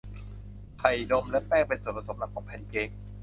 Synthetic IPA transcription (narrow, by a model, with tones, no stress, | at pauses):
pʰa˨˩jdo˧mlɛ˦˥pɛː˥˩ŋpe˧nsu˨˩tpʰa˧˩so˩˦mla˧˥˩kʰːɔː˩˦ŋpʰɛ˨˧˩nkeː˧ŋ